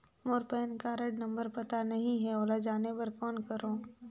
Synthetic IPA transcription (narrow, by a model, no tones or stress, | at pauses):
moːɾpɛːnkaɾɐɖnɐ̃mbəɾpɐt̪anɐɦĩɦɛoːlad͡ʒaːnebɐɾkɔːnkɐɾoː